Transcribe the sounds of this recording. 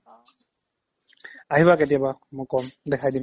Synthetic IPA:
aɦibaket̬ijabamʊ̃kɔmdɛkʰajdim

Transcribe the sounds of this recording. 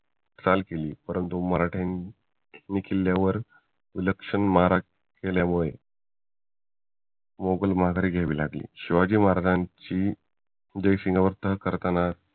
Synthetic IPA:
t͡salkeliːpəɾʔənt̪uməɾaʈʰenː | ikilːjaʋəɾ | ʋiləkʂənməɦaɾa | keljamuɭe | moɡəlməɦaɡaɾiːɡʱaʋḭːlaɡlḭːɕiʋad͡ʑiːməaɾad͡zãɲt͡ɕiː | d͡ʑəjsiŋɡaʋəɾt̪əɦkəɾt̪ana

